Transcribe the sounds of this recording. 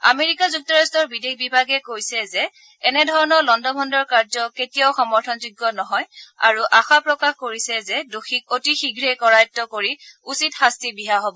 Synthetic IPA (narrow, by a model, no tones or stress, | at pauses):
a̰meɹikazuk̚tɔɹastɔɹbidekʰbibʱaɡɛkojsɛzɛ | ɛnɛdʱɔɹɔnɔɹlɔndɔbʱɔndɔɹkaɹzɔketijɔwxɔmɔɹtʰɔnzuɡːɔnɔɦɔja̰ɹuʔaxapɹɔkaxkoɹisɛzɛdoxik̚otixiɡʱɹekɔɹajɔtːɔkoɹiusitxastibiɦaɦobɔ